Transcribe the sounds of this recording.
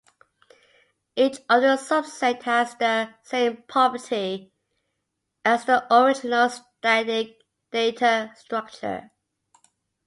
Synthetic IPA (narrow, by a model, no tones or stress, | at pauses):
it͡ʃʌðəsʌbsɛthəzðəsẽɪ̃mpʰɑvətʰi | əzðiʔəɹɪd͡ʒɪnəlˠstæ̃dɪ̃ŋ | d̥eɪtʰəstɹ̥ʌk̚t͡ʃə̰